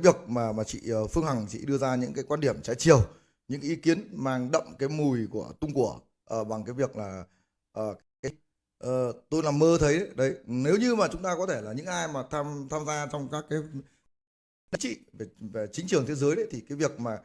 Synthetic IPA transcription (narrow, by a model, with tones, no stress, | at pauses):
vi˨˩ək̚maː˨˩maː˨˩t͡ɕḭ˧˨əː˨˩fɨ˧əŋha˨˩ŋt͡ɕḭ˧˨ɗɨ˧əzaː˧ɲɨ̰˧˥ŋkaː˨˦jkwaː˧nɗi˧˩əmsɛ̰˧˥t͡ɕi˨˩əw | ɲɨ̰˧˥ŋʔi˨˦ki˨˦ənmaː˧ŋɗə̰˧˨ŋ͡mkaː˨˦jmu˨˩jku˧˩ət̪ʊ˧ŋ͡mku˧˩ə | ʔə˨˩ɓa˨˩ŋkaː˨˦jvi˨˩ək̚laː˨˩ | ʔəː˨˩˨kaː˨˦ | ʔəː˨˩t̪o˧jna˨˩mːəː˧t̪ʰə˨˦jɗə˨˦ɗə˨˦jne˨˦wɲɨ˧maː˨˩t͡ɕʊ˨˦ŋ͡mt̪aː˧kɔ˨˦t̪ʰe˧˩laː˨˩ɲɨ̰˧˥ŋʔaː˧jmaː˨˩t̪ʰaː˧mt̪ʰaː˧mzaː˧t͡ɕɔ˧wŋ͡mkaː˦˥kːaː˨˦j | ɗə̰˨˦ŋt͡ɕḭ˧˨ve˨˩ve˨˩t͡ɕï˨˦ŋ̟t͡ɕɨ˨˩əŋt̪e˨˦zəː˨˦jɗə˨˦jt̪ʰi˨˩kaː˨˦jvi˨˩ək̚maː˨˩